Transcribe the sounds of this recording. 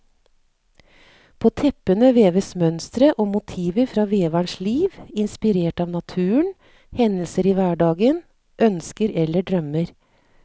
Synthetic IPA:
pʰoːt̪ʰɛpənəʋeːʋəsmœnst̪ɾəʔoːmʊt̪ʰiːʋəɾfɾɑːʋeːʋæɳʂliːʋɪnspɪɾeːʈɑːʋnɑt̪ʰʉːəɳ | hɛnlsəɾiːʋæːɖɑːɡən | ʔœnskəɾɛlːəɖɾœməɾ

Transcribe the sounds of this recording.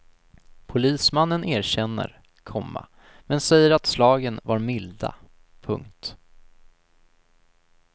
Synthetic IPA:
pʰʊliːsmanːənʔeːɾɕɛnːə̰ɾ | kʰɔmːa̰ | mɛnsɛjːəɾat̪slɑːɡənvaɾmɪld̪a̰ | pʰɵ̰ŋkt̪

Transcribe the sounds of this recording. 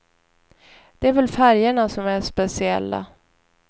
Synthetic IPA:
d̪̥ɛæɾvɛlfæɾjəɳasɔmæʂpɛsɪɛ̰lːa̰

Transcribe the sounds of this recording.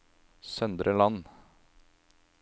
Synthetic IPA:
sœnd̪ɾəlɑn

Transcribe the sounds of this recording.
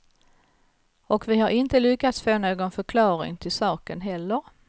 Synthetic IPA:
ɔkvɪhaɾʔɪnt̪əlʏkːat̪sfoːnoːɡɔnfœɾkʰlɑːɾɪ̰ŋt̪ʰɪlsɑːkənɦɛlːəɾ

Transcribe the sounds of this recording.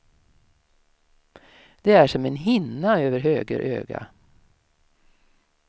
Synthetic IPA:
d̪̥eæʂɔmenɦɪnaøːʋəɾɦøːɡə̰ɾʔø̰ːɡa̰

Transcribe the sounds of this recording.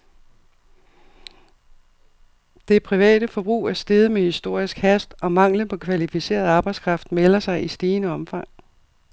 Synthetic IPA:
d̥e̝pʰʁiʋɛ̰ːd̥əfɒ̽b̥ʁṵːæɐsd̥e̝ð̞ˠəmehisd̥o̝ɐ̰isɡ̥hæsd̥ɒ̽mɑ̈ŋ̰ləpʰɒ̽kʰʋælifise̝̰ːɐð̞̩ˠɑ̈ːb̥ɑ̈ɪdskʰʁɑ̈fd̥melɐsɑ̈ɪisd̥iːnəɒ̽mfɑ̈ŋ̰

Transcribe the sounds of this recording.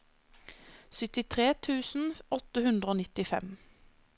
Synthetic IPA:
sʏt̪ɪt̪ʰʁeːt̪ʰʉːsn̩ɔt̪əhʉnd̪ʁəoːnɪt̪ɪfɛ̰m

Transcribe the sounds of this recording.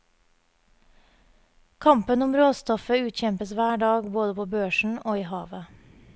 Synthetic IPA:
kʰɑmpənʊmɾoːst̪ɔfəʉːt̪çɛmpəsʋæːɖɑːɡboːd̪əpʰoːbøːʃɳ̩oːiːhɑːʋə

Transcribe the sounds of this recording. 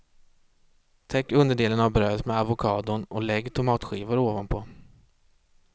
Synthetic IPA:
t̪ʰɛkːɵnd̪əɖeːlənavbɾøːt̪mɛavʊkʰɑːd̪ʊɳɔlɛɡːt̪ʰʊmɑːt̪ɧiːvʊɾoːvanpʰɔ

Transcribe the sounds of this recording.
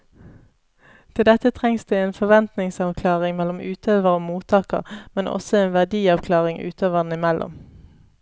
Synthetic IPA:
t̪ʰɪld̪ɛt̪ət̪ʰʁɛŋsd̪eːeːnfɔʋɛnt̪nɪŋsɑʋkʰlɑːʁɪŋmɛlɔmʉːt̪ʰøːʋəʁoːmuːt̪ʰɑːkə̰ʁmɛnɔ̰sɔeːnʋæʁd̪iːɑʋkʰlɑːʁɪŋʔʉ̰ːt̪ʰøːʋəʁnəɪmɛlʔɔ̰m

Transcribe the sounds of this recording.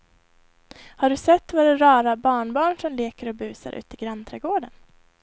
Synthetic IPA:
haɖɵsɛt̪ːvaɾɛɾɑːɾabɑːɳbɑːɳʂɔmleːkəɾɔbʉ̟ːsa̰ɾʔʉ̟̰ːt̪ɪɡɾant̪ʰɾɛɡoːɖən

